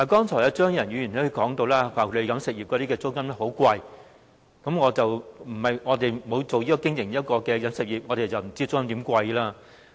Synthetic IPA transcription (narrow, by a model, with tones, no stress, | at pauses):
aː˨kɔː˥ŋt͡sʰɔː˨˩jɐ˧˥t͡ʃœː˥ŋjɐ˨˩nɥyː˨˧jːnho˨˥jy˨˧˩kɔː˨˥ŋt̪o˧wlaː˦˥waː˨˩kʰːle˨˧jkɐ˨˥msɪ˨k̚jiː˨˩kɔ˨˧ɾiː˥kɛː˧t͡so˥wkɐ˥mɛ˥ho˨˥wkʷɐ˧j | kɐ˨˥mŋɔː˨˧t͡sɐ˨wm̩˨˩hɐ˨jŋɔː˨˧t̪e˨jmo˨˧wt͡so˨wjiː˥kɔː˧kɪ˥ŋjɪ˨˩ŋ˥jɐ˥t̚kɔː˧kɛː˧jɐ˨˥nsɪ˨k̚jiː˨p̚ŋɔː˨˧ɾe˨jt͡sɐ˨wm̩˨˩t͡si˥t͡so˥wkɐ˥nt̪i˨˥mkʷɐ˧jlaː˥